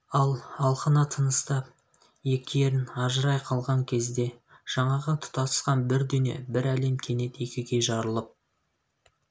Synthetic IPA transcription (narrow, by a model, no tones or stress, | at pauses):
ɑlˠɑlˠqənɑt̪ʰənəst̪ɑp | je̞kʲɪjeɾɪnɑʒəɾɑjqʰɑlˠʁɑŋkʲʰe̞zd̪e̞ʒ̥ɑɴɑʁət̪ʰʊ̥t̪ɑt̪ə̥sqɑnbɪɾd̪ʏne̞̰bɪɾæle̞mkʲʰe̞ne̞t̪e̞kʲɪɡʲe̞ʒɑɾəlˠəp̚